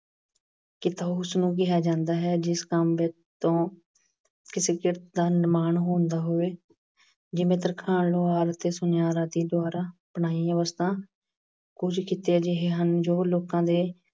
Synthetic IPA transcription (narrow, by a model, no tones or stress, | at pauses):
kɪt̪aːʊsnũːk̬ɪɦaːd͡ʒãːnd̪aːɦɛːd͡ʒɪskəmʋɛː | t̪õː | kɪseːkɪɾt̪d̪aːnɪmaːnɦoːnd̪aːɦoːeː | d͡ʒɪmẽːt̪̬əɾkʰaːnloːaːɾt̪eːsʊnjaːɾaːt̪iːd̪ʊaːɾaːpəɳaːiːəʋəst̪ʰãː | kʊd͡ʒkɪt̪eːd͡ʒɪɦeːɦənd͡ʒoːloːkãːd̪eː